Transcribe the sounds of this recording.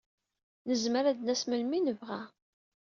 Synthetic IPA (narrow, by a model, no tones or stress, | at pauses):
nəzməɾæd̪næsməlminəvʁæ